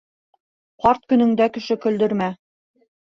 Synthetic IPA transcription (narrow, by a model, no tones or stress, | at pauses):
qɑɾt̪̚kɵ̆nɵ̆ŋd̪ækɘ̆ʃɘkɵ̆ld̪ɵ̆ɾmæ